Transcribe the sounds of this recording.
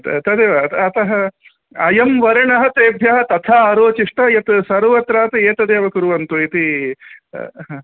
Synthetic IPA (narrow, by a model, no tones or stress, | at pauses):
t̪t̪ɐd̪eːʋɐt̪ɐt̪ɐɦɐ | ɐjɐmʋɐɾɐɳɐɦɐ̆t̪eːbʱjɐɦɐt̪ɐt̪ʰaːɐɾoːt͡ʃiʂʈɐjɐt̪sɐɾʋɐt̪ɾaːt̪ɐeːt̪ɐd̪eːʋɐkuɾuʋɐnt̪uit̪i